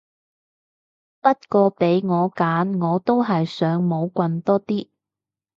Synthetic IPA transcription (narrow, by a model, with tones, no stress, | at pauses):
pɐ˥t̚kɔː˧pe˨˧˥jŋɔː˨˧kaː˨˥nŋɔː˨˧t̪o˥wɦɐ˨jsœː˨˧ŋmo˨˧wkʷɐ˧nt̪ɔː˥t̪iː˥